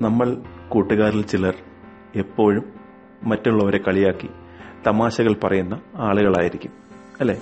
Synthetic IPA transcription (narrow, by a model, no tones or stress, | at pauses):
nɐmːɐɭkuːʈːuɣaːɾilt͡ɕilɐr | e̞pːo̞ːɻumː | ɐtːuɭːɐʋɐɾe̞kɐɭijaːkːi | t̪ɐmaːɕɐɣɐɭpɐrɐjunːɐaːɭuɣɐɭa̰ːjiɾikʲːum | ɐlːe̞ː